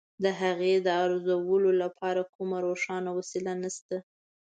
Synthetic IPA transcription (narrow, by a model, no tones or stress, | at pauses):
d̪əɦaɣed̪əaɾozawəlolapʰɑɾakʰumaɾoʂɑnawasilanast̪a